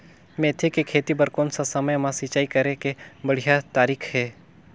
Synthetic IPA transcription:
mẽːt̪ʰekekʰeːt̪ibəɾkoːnsasɐməjmãsit͡ʃaːikɐɾekebɐɽ̤ijat̪aːɾiːkʰɦɛː

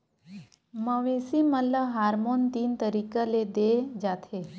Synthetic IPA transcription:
məʋẽsimələɦaːɾmont̪iːnt̪əɾikəled̪ed͡ʒat̪ʰe

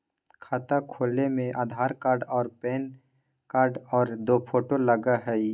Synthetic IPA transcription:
kʰaːt̪akʰoːlemẽʔaːd̪ʱaːɾkaːɾɖɔːɾpeːn | kaːɾɖɔːɾd̪oːpʰoːʈoləɡaɦɛ

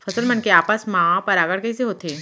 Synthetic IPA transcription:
fʰɐzəlmɐnkeaːpaːsmãːpɐɾaːɡəɽkɐiseɦoːt̪eː

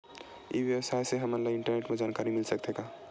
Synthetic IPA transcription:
jḭbjəwəsajseɦəməɾlaɪɳʈəɾneʈmẽd͡ʒaːnkaɾimilsəkt̪eka

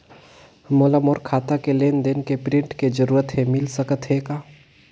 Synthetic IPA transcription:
moːlamoːɾkʰaːt̪akeleːnd̪enkepɾɪ̃ɳʈked͡ʒəɾuːɾət̪ɦemɪlsəkət̪ɦeːkaː

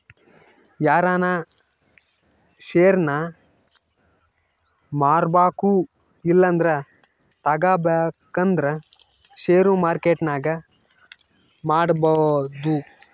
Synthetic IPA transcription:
jaːɾaːna | ʃeːɾnɐ | maːɾbaːku | ilːɐnd̪ɐɾɐ | t̪ɐɡaːbeːkɐnd̪ɐɾɐ | ʃeːɾumaːɾkeːʈnaːɡɐ | maːɽbɐd̪u

